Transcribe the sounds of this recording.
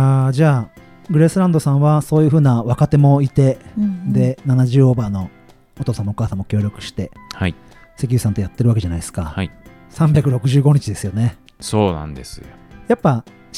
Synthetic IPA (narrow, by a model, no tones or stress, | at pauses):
ad͡ʑaː | ɡɯ̟ɾe̞sɨɾãnd̪o̞sãɰ̃βaso̞ːjɯ̟ːɸɯ̟ːnaβakat̪e̞mo̞it̪e̞d̪e̞nanaʑɨːobaːno̞ | ot̪o̞ːsãmːookaːsãmːo̞kʲo̞ːɾʲo̞kɯ̟̥ɕi̥t̪e̞hai | se̞k̬ʲiɯ̟sãnt̪o̞jat̪ːe̞ɾɯβake̞ʑanaiesɨ̥kahai | sãmbʲjakɯ̟ɾo̞kɯ̟ʑɨːɡo̞ɲ̟it͡ɕid̪e̞sɨjo̞ne̞ | soːnã̰nd̪esɨjojapːa